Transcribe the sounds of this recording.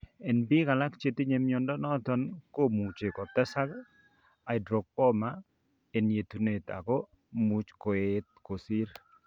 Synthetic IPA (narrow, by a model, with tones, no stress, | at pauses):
ɛ˨nbi˦ka˨la˦kt͡ʃe˦˨t̪i˦ɲe˨mjɔ˨ndɔ˦nɔ˦t̪ɔ˨nko˦mu˨t͡ʃe˨kɔ˨t̪a˦sa˦k | a˨ɪ˨dɾo˨k̚pɔ˦ma˦ | e˨nje˨t̪u˨ne˨t̪a̰˨ɡɔ˦ | mu˨t͡ʃko˨et̪̚ko˨si˦ɾ